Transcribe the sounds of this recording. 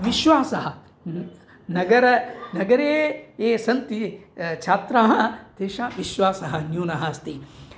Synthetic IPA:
ʋiʃʋaːsɐɦɐ | nɐɡɐɾɐnɐɡɐɾeːeːsɐnt̪it͡ʃʰaːt̪ɾaːɦɐ̆d̪eːʃaːʋiʃʋaːsɐɦɐ̆njoːnɐɦɐst̪i

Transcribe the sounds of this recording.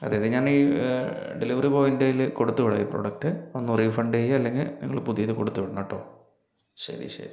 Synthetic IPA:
ɐðejðeɲaːniː | ɖeliʋɐripoːindejilkoɽut̪ːuʋiɽɐ̰jipro̞̰ɽɐk̚ʈɨonːuriːfɐɳɖeːjɐlːe̞ŋɡilnḭŋːɐɭpuðijɐðɨkoɽut̪ːuʋiɽɐnɐʈːo̞̰ː | ɕɐ̰ɾḭɕḛ

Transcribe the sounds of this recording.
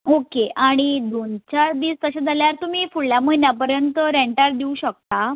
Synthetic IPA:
okeaɽ̃id̪ont͡ɕaɾd̪iːst̪əɕad͡zʱaljaɾt̪um̤iːfuɭljaməinjapəɾjənt̪əɾeɳʈaɾd̪iũɕək̚t̪a

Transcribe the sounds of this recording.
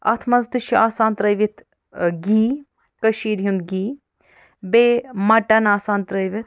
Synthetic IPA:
ɐ̰t̪ʰmɐnzd̪uʃiʔaːsaːnt̪ɾɐjʋit̪ʰ | ɡiː | kɐʃiːɾjund̪ɡiː | beːmɐʈɐnaːsaːnt̪ɾɐjʋit̪̚

